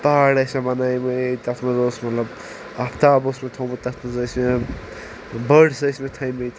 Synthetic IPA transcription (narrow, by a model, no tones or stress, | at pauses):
paɽɐsʲɐmɐnajmet̪ɐt̪ʰmɐzoːsmɐt̪lɐb | apʰt̪aːbosmet̪ʰowmɐt̪ɐt̪ʰmɐzɐsme | bəɖsɐsmet̪ʰɐjmejt̪